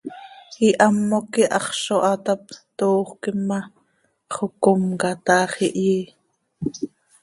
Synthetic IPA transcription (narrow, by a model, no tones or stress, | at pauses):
iʔɑmːokiʔɑ̰χʃoʔɑt̪ɑp̚t̪oːχʷkimːɑ | χokomkɑt̪ɑːχiʔjiː